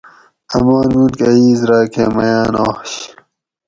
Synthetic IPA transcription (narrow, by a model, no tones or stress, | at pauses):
ɐ̰maːnmunkɐiːzɾaːkemɐjaːnoːɕ